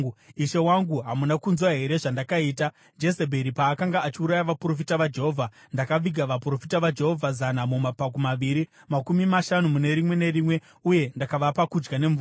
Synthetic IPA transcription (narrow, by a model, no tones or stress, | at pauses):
iʃe̞waŋɡuɦamunakunzwaɦe̞ɾe̞ʐandakaiːta | d͡ʒe̞sebʱe̞ɾipaːkaŋɡaːt͡ʃiuɾajaʋapuro̞f̬itaʋad͡ʒe̞ɦovʱa | ndakaʋiɡʱaʋapuro̞fitaʋad͡ʒe̞ɦo̞vʱazanamumapak̬umaʋiɾi | makumimaʃanumune̞ɾimwe̞ne̞rimwe̞ | uje̞ndakaʋapakud͡ʒɡane̞ɱvu